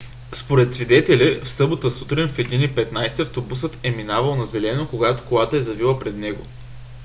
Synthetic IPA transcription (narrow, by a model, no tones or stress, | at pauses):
spoɾɛt̪svid̪ɛt̪ɛlʲɛfsɤbot̪əsut̪ɾinʲfɛd̪inipɛt̪najsiɐft̪obusɤt̪ɛminavəlˠnɐzɛlɛnokoɡat̪o̥kolˠat̪əɛzɐvilˠəpɾɛd̪nɛɡo̰